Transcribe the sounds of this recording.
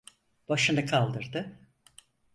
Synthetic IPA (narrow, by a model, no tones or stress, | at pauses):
b̥aʃɯnɯkʰalˠd̪ɯɾd̪ɯ